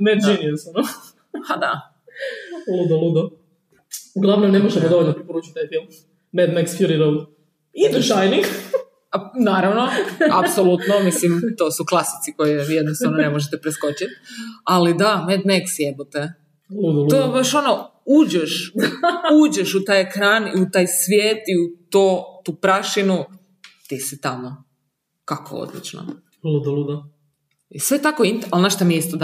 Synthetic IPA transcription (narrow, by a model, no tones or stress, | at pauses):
med̪d͡ʒenieseno | ad̪a | lud̪olˠud̪o | uɡlˠaʋnomnemoʒd̪amdoʋolʲnopɾipoɾuːt͡ʃit̪t̪ajfilˠm | med̪meksfjuɾiɾowd̪ | id̪uʃajniŋɡ | anaːɾaʋno̞apsolut̪nomislimt̪o̞ːsuklˠasi̥t̪siko̞jejed̪nost̪aʋnone̞moʒet̪ɛpɾesko̞t͡ɕit̪alid̪amet̪nmeksjebot̪e | lud̪t̪obaʃo̞no | uːd͡ʑeʃ | uːd͡ʒeʃut̪aːjekɾaːniut̪aːjsʋjeːt̪iut̪ot̪uːpɾaʃinu | t̪isit̪amo | kako̰o̰d̪lḭt͡ʃno̰ | lud̪alud̪a | isʋet̪akoint̪alnaʃt̪amijeist̪od̪